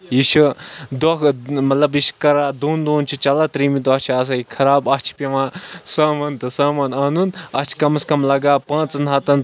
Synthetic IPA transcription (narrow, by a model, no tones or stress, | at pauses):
iʃud̪ɔkmɐt̪lɐbiʃkɐɾaːd̪oːnd̪oːnt͡ʃʰut͡ʃɐlaːt̪ɾiːmid̪ɐt͡ʃʰiaːs̬aikʰɐɾaːbɐt͡ʃʰpeʋãːsaːmɐnt̪ɨsaːmɐnaːnunɐt͡ʃʰi̥kɐmɐskɐmlɐɡaːpãːt͡sɨnɦɐt̪ɐn